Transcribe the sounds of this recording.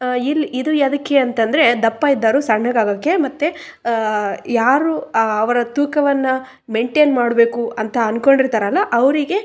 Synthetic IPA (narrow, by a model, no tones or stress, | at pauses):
ilːid̪uɐd̪ɐkːeɐnt̪ɐnd̪ɐɾe̞d̪ɐpːaid̪ːaːɾusɐɡɳɐɡaːɡɐkːemɐt̪ːe | jaːɾuɐʋɐɾɐt̪uːkɐʋɐnːɐ | meɳʈeːnmaːɽbe̞ːkuʔɐnt̪ɐɐnko̞ɳɖiɾt̪aːɾɐlːɐʔɐʋɐɾiɡe̞